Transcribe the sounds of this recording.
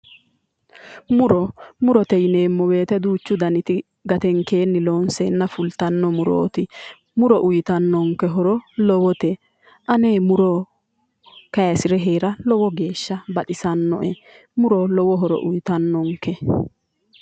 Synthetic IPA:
mʊɾɔmʊɾɔt̪ɛjɪne̞ːmːɔwe̞ːt̪ɛd̪uːt͡ʃːʊd̪ɐnɪt̪ɪ | ɡɐt̪ɛŋke̞ːnːɪloːnsɛnːɐfʊlt̪ɐnːɔmʊɾo̰ːt̪ɪ | mʊɾɔʔʊjɪt̪ɐnːɔŋkːɛɦɔɾɔlɔwɔt̪ɛ | ʔɐneːmʊɾɔ | kɐjɐsɪɾɛɦe̞ːɾɐlɔwɔɡe̞ːʃːɐbɐtɪsɐnːɔ̰ʔɛ | mʊɾɔlɔwɔɦɔɾɔ̰ʔʊjt̪ɐnːɔŋkːɛ

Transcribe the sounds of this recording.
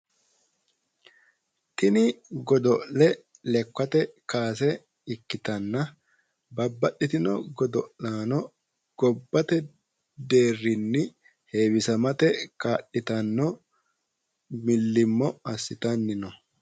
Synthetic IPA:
t̪ɪnɪɡɔd̪ɔʔlɛ | lɛkːɐt̪ɛkaːs̬ɛ | ɪkːɪt̪ɐnːɐ | bɐbːɐʔɪt̪ɪnɔ̰ɡɔd̪ɔʔlaːnɔ | ɡ̥ɔbːɐt̪ɛ | d̪e̞ːrːɪnːɪ | heːwɪsɐmɐt̪ɛkaːʔːɪt̪ɐnːɔ | mɪlːɪmːɔɐsːɪt̪ɐnːɪnɔ

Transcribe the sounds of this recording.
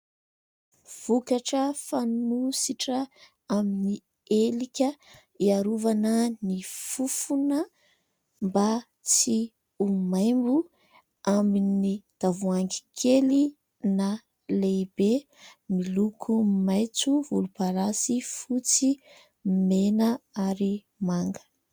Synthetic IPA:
v̥ukaʈ͡ʂəfanusiʈ͡ʂə | amini | elikʲə | iaɾuvanənifufunə | mba | t͡si | umajmbu | aminid̪̥avuaŋɡi̥kʰeli | na | lebe | milukʰumajt͡suvulupaɾasifut͡si | menəaɾi | maŋɡə̥

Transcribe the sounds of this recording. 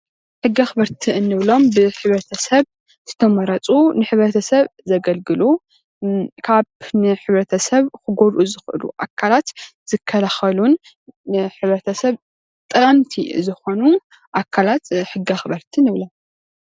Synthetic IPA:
ħɨɡːiaxɨβɐɾt̪ʰiɨnːɨβlo̞mbɨħɨβɾɐt̪ʰɐsɐβ | z̥ɨt̪ʰɐmɐɾɐt͡sʼunɨħɨβɾɐt̪ʰɐsɐβzɐɡɐlɡɨlu | kʰaβnɨħɨβɾɐt̪ʰɐsɐβkɨɡoɾʔuzɨxʔɨ̰lṵʔakʰːalat̪z̥ɨkʰːɐlaxɐlun | ħɨβɾɐt̪ʰɐsɐβ | t̪ʼɨɐmt̪ʰḭzɨxo̞nu | ʔakʰːalat̪ħɨɡːiaxɨβɐɾt̪ʰinɨβlom

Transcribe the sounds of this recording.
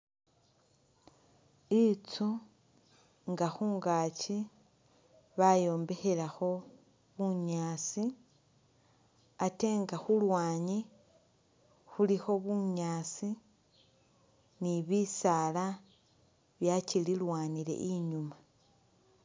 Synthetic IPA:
it͡su | ŋɡaxuːŋɡaːt͡ʃi | βajo̞ːmbe̞xe̞laxo̞ | βuɲaːt͡si | ate̞ːŋɡaxulwaːɲi | xulixo̞βuɲaːt͡si | niβisaːla | βjacililwaːnile̞̰ʔiɲuma

